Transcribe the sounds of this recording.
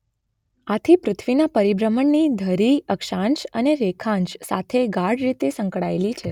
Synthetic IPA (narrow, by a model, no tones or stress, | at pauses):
at̪ʰipɾʊt̪ʰʋinapəɾibɾəməɳːid̪ʱəɾiəkʃãnʃəneɾekʰãnʃsa̰t̪ʰeɡaɽɾit̪esə̃ŋkɽaelit͡ʃʰe